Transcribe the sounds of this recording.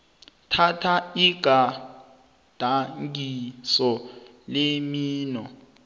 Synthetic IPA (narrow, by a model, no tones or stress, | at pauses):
tʰatʰaiɡ̥ʱa | d̥ʱaŋɡisɔ | lemiːnɔ